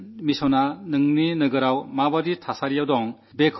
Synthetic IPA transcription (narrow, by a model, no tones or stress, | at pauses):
misɔnanɯŋninɯɡɯɾawmabaditʰasaɾijawdɔŋ | bekʰ